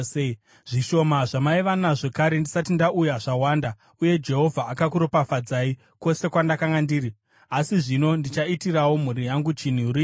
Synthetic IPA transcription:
ʐ̥iʃo̞maʐamaiʋanaʐekaɾe̞ndisatindaʔujaʐawaːnda | uje̞d͡ʒe̞ɦo̞vʱaʔakakuɾo̞pafad͡zaːi | ko̞se̞kwandakaŋɡandiːɾi | asiʐino̞ndit͡ʃaitirawo̞m̤uɾijaŋɡut͡ʃin̤uɾi

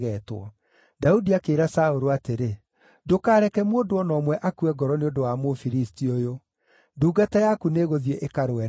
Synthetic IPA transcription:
ɣɛtwɔ̰ | daudiakeːɾasaoɾoateɾe | dokaːɾɛkɛmwoːndoɔnɔmwɛʔakuɛɡɔɾɔneodowamofiɾistiojo | duːɡatajakuneːɣoðieʔekaɾwɛ

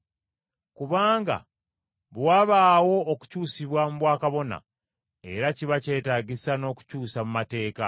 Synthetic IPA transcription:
kuβaːŋɡa̰ | βwaβaːwo̞ːku̥cuːsiβwamuβwaːkaβo̞na̰ | e̞ɾaciβace̞ːtaːɟisano̞ːku̥cuːsamumate̞ːka

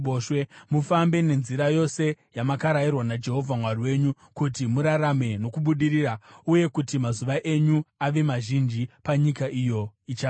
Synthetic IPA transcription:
oʃwemufambe̞ne̞nziɾajo̞se̞jamakaɾajirwanad͡ʒe̞ɦo̞vʱamwariwe̞ɲu | kutimuɾaɾame̞no̞kuɓuɗirirauje̞kutimazuʋaʔe̞ɲuaʋe̞maʒind͡ʒipaɲikaʔijo̞it͡ʃa

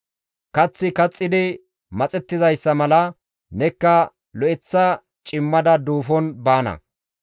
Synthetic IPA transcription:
kɐt͡sːɪkɐt͡sʼːɪd̪ɪ | mɐt͡sʼɛt̪ːɪzɐjsːɐmɐlɐ | nɛkːɐ | lɔɛt͡sːɐ | t͡ʃʼɪmːɐd̪ɐd̪uːfɔnbaːnɐ̰

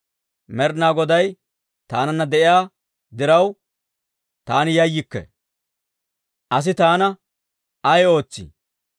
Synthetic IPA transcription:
mɛɾnaːɡɔd̪ɐj | t̪aːnɐnːɐd̪ɛʔɪjaː | d̪ɪɾɐw | t̪aːnɪjɐjːɪkːɛ̰ | ʔɐs̬ɪt̪aːnɐ | ɐjo̞ːt͡sːḭ

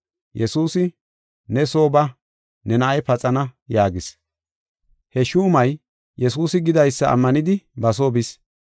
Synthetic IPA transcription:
jɛsuːsɪ | nɛso̞ːbɐ | nɛnɐʔɐjpɐt͡sʼɐnɐjaːɡɪs | hɛʃuːmɐj | jɛsuːsɪɡɪd̪ɐjsːɐɐ̰mːɐnɪd̪ɪbɐs̬oːbɪs

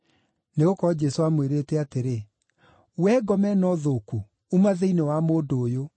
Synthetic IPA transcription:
neɣokɔd͡ʑɛsoamweɾeːtɛateɾe | wɛɡɔmɛnɔðoku | umaðeinewamoːdoːjo

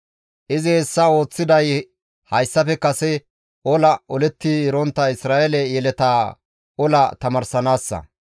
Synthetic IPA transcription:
ʔɪzɪhɛsːɐo̞ːt͡sːɪd̪ɐj | hɐjsːɐfɛkɐsɛ | ʔɔlɐɔlɛt̪ːɪɾɔnt̪ːɐɪsɾaːʔelɛjɛlɛt̪a | ɔlɐt̪ɐmɐɾsɐnaːsːɐ̰

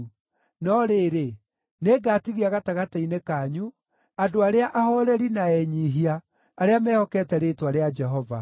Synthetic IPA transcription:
nɔɾeːɾe | neːɡaːtiɣiaɣataɣatainekaɲu | adoaɾeaʔahɔɾɛɾinaɛɲiɦiaː | ɾeamɛːhɔkɛtɛɾetwaɾead͡ʒɛɦɔva̰

